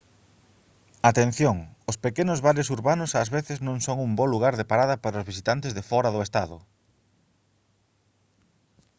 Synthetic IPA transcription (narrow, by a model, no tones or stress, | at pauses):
at̪en̟θjoŋʊspekenʊzβaɾesuɾβanʊsazβeθɪznõŋsoŋumboluɣaɾðepaɾaðɐpaɾɐʊzβisit̪ant̪ɪzðefɔɾɐðʊest̪aðʊ̰